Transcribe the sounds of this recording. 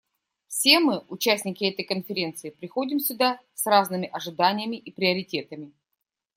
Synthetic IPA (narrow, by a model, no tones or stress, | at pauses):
fsʲe̞mɨʊt͡ɕæsʲnʲɪkʲɪɛt̪əjkənfʲɪɾʲe̞nt̪sɨːpɾʲɪxodʲɪmsʲʊd̪asraznɨmʲɪʔɐʐɨd̪anʲɪjəmʲɪʔipɾʲɪəɾʲɪtʲe̞t̪əmʲɪ